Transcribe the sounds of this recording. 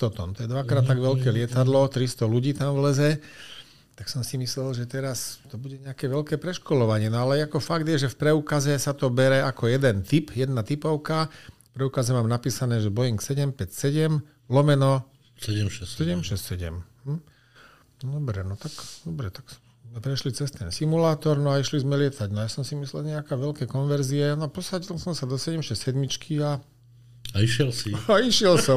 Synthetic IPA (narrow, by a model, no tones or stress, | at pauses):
t̪ɔt̪ɔ̰nt̪ɔjɛd̪ʋakɾaːt̪ːaɡʋɛlkɛːlɪɛt̪ad̪lɔt̪ɾist̪ɔluɟiːt̪amvlɛzɛ | t̪aksɔmsimislɛlʒɛt̪ɛɾast̪ɔbuɟɛɲɛakɛːʋɛlkɛːpɾɛʃkɔlɔʋaɲɪɛnɔalɛakɔfaɡd̪jɛʒɛfpɾɛuːkazɛsat̪ɔbɛɾɛakɔjɛd̪ɛnt̪ipjɛd̪nat̪ipɔʊkafpɾɛukazɛmaːmnapiːsanɛːʒɛbɔjiŋksɛɟɛmpɛcsɛɟɛm | lɔmɛnɔ | sɛɟɛmʃɛsɛɟɛmʃɛscsɛɟɛ̰mɦm̩ | nd̪ɔbɾɛnɔt̪akd̪ɔbɾɛt̪aks | mɛpɾɛʃlit͡sɛst̪ɛnsimulaːt̪ɔɾnɔaiʃlizmɛlɪɛt̪aɟnɔjasɔmsimislɛlɲɛakɛːʋɛlkɛːkɔnʋɛɾziɛnɔapɔsaɟilsɔmsad̪ɔsɛɟɛmʃɛssɛd̪mit͡ʃkʰia | aiʃɪɛlsiaiʃɪɛlsɔm